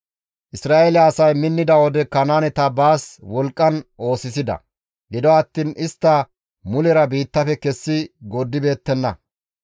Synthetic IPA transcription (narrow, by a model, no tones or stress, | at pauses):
ʔɪsɾaːʔelɐːsɐjmɪnːɪd̪ɐwɔd̪ɛkɐnaːnɛt̪ɐbaːswɔlkʼːɐnʔo̞ːsɪs̬ɪd̪ɐ̰ | ɡɪd̪ɔɐt̪ːiːnɪst̪ːɐ | mʊlɛɾɐbiːt̪ːɐfɛkɛsːɪɡɔd̪ːɪbe̞ːt̪ːɛnːɐ̰